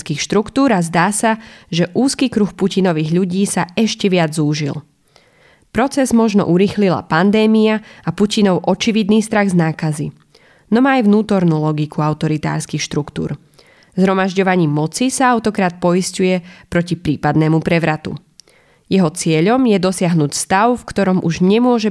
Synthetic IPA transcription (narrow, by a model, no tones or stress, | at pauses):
skiːxʃt̪ɾukt̪uːɾazd̪aːsaʒɛʔuːskiːkɾuxpucinɔʋiːɣʎuɟiːsaɛʃcɛʋɪad͡zuːʒḭl | pɾɔt͡sɛzmɔʒnɔ̰ʔuɾiːxlila̰pand̪ɛːmiaapucinɔʊʔɔt͡ʃiʋid̪niːst̪ɾaɣznaːkazḭ | nɔmaːjʋnuːt̪ɔɾnuːlɔɡikʰuaʊt̪ɔɾit̪a̰ːɾskixʃt̪ɾukt̪ṵːɾ | zɦɾɔmaʒɟɔʋaɲiːmɔt͡sisaaʊt̪ɔkɾaːt̪̚pɔiscujɛpɾɔcipɾiːpad̪nɛːmupɾɛʋɾat̪ṵ | jɛɦɔt͡sɪɛʎɔmjɛd̪ɔsɪaɦnuːcst̪aʊfkt̪ɔɾɔmʔṵʒɲɛmʊɔʒɛ